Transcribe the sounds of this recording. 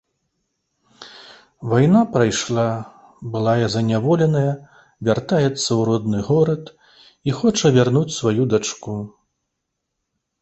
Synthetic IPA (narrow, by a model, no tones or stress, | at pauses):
vajnapɾajʂlˠa | bɨlˠajɐzɐnʲavɔlʲɛnɐjɐ | vʲart̪ajɛt̪sːɐwɾɔd̪nɨɣɔɾɐt̪ | ixɔt͡ʂɐvʲarnut͡sʲsvajud̪at͡ʂku